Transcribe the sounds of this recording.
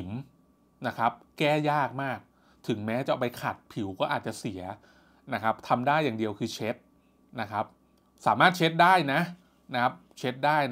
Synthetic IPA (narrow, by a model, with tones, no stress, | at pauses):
m | na˦˥kʰa˦˥p̚kɛː˥˩jaː˥˩k̚maː˥˩k̚ | t̪ʰɯ˩˦ŋmɛː˦˥t͡ɕa˨ʔpa˧jkʰa˨˩t̪̚pʰi˩˦wkɔː˥˩ʔaː˨˩t̪̚t͡ɕa˨˩si˩˦ɐ | na˦˥kʰa˦˥p̚t̪ʰa˧mdaː˥˩jːaː˨˩ŋdi˧əwkʰɯː˧t͡ɕʰe˦˥t̪̚ | na˦˥kʰa˦˥p̚ | saː˩˦maː˥˩t̪̚t͡ɕʰe˦˥t̪̚daː˥˩jna˦˥ʔ | na˦˥kʰa˦˥p̚t͡ɕʰe˦˥t̪̚daː˥˩j